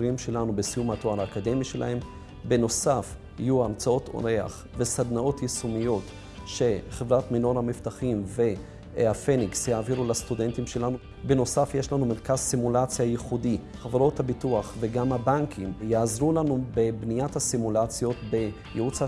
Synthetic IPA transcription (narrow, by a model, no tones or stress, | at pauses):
ɾimʃe̞lanubesijumatoaɾaːkade̞miʃelʔa̰he̞m | be̞no̞safhijuamt͡sao̞to̞̰ɾe̞a̰χ | ve̞sad̪nao̞tjesumijo̞t | ʃe̞χevʁatmino̞ɾhamiftaχimve̞ | afeniksjaːviɾulastude̞ntimʃe̞lanu | be̞no̞safje̞ʃlanumeɾkazsimulat͡sjajeχudi | χaveɾo̞thabituaχve̞ɡamhabaŋkʰimjaːzʁulanube̞bnijathasimulat͡sjo̞tbe̞ | jeut͡sa